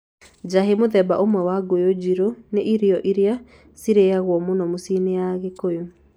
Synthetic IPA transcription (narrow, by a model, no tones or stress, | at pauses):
d͡ʑaɦemoðɛbaʔomwɛwaɡojod͡ʑiɾoneʔiɾiɔʔiɾea | siɾeaɣwɔmonɔmosineaɣekojo